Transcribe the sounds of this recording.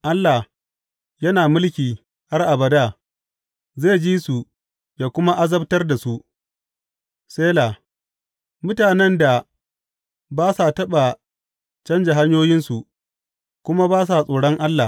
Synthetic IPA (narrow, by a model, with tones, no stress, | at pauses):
ʔa˦lːa˨h | jɐ˦naː˨mʊ˦lkʲiː˨ | ha˦rʔa˨bɐ˨da˦ | zeː˦˨d͡ʒiː˦su˨ | jaː˨kʷʊ˦ma˦ʔa˦zɐ˦btɐ˦rda˨su˦ʔ | seː˦la˨ | mʊ˦taː˨nɛ˦nda˨ | baː˦sa˨tɐ˦ɓa˨ | t͡ʃɐ˦nd͡ʒa˨ɦa˦ɲjoː˦jɪ˦nsu˨ʔ | kʷʊ˦ma˦baː˦s̬a˨sʼoː˨ɽɔ˦ŋʔa˦lːa˨